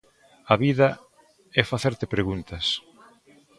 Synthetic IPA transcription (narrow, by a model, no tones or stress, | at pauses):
ɐβiðɐ | ɛfaθeɾt̪ɪpɾeɣunt̪ɐs